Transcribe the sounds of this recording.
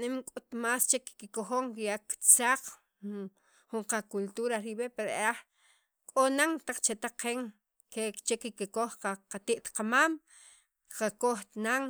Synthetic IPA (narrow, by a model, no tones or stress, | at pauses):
nemkʼut̪maːst͡ʃekkikoxoŋkijakt͡saq͡χ | xuɴqakult̪uɾaɾiɓepeɾoeea | kʼonaŋt̪aq͡χt͡ʃet̪aqeŋ | ket͡ʃekikikoxqaqat̪iʔt̪qamaːm | qakoxt̪naŋ